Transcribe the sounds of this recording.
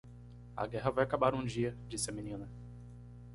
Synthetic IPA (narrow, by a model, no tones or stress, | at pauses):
ɐ̰ɡɛɦɐvajakabaɾũd͡ʒiɐd͡ʒisɪɐmĩnĩnɐ